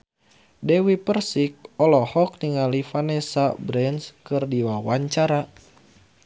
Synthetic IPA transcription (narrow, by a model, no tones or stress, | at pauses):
dɛwipərsik̚ɔlɔhɔk̚niŋalifanɛsabɾɛnskɨrdiwawaɲt͡ʃaɾa